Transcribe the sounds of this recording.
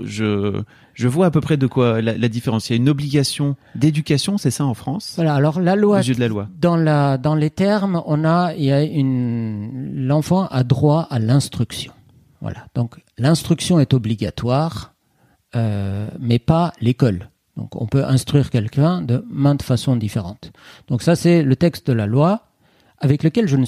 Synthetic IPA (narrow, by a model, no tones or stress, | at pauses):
ʒə | ʒəvwaːpøpχɛd̪əkwalalad̪ifeʁɑ̃sijaynɔbliɡʲasjɔ̃d̪ed̪ykʲasjɔ̃sɛsaɑ̃fχɑ̃svwalaːlɔʁlalwazjəød̪əlalwad̪ɑ̃lad̪ɑ̃let̪ɛʁmɔ̃nailjayn | lɑ̃fɑ̃ʔad̪ʁwaalɛ̃st̪χyksjɔ̃ | vwa̰la̰d̪̥ɔ̃klɛ̃st̪χyksjɔ̃ɛt̪ɔbliɡat̪waːʁ | ømɛpalekɔl | d̪̥ɔ̰̃kɔ̰̃pøʔɛ̃st̪χɥiʁkʲɛlkɛ̃d̪əmɛ̃t̪fasɔ̃d̪ifeʁɑ̃t̪d̪̥ɔ̃ksasɛlət̪ɛkst̪̚d̪əlalwa | avɛkləkʲɛlʒənə